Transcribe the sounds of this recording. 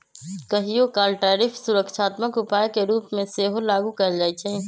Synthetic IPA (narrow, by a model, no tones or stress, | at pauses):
kəɦijokaːlʈaːɾɪfʰsʊɾəkʃaːt̪məkʊpaːekeɾuːpmẽseːɦolaːɡukɐd͡ʒaːit͡ʃʰeː